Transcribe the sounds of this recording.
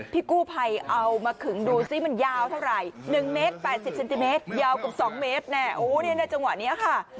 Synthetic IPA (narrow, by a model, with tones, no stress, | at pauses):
pʰiː˥˩kuː˥˩pʰa˧jʔa˧wmaː˧kʰɯ˩˦ŋduː˧siː˦˥˩ma˧njaː˧wt̪ʰa˥˩wɾa˨˩jnɯ˨˩ŋmeː˦˥t̪̚pɛː˨˩t̪̚si˨˩p̚se˧nt̪i˧meː˦˥t̪̚jaː˧wka˨˩p̚sɔː˩˦ŋmeː˦˥t̪̚nɛː˧˩ʔoː˧˩ni˦˥˩na˧˩jt͡ɕa˧ŋwa̰˨˩ʔni˦˥ɐkʰa˥˩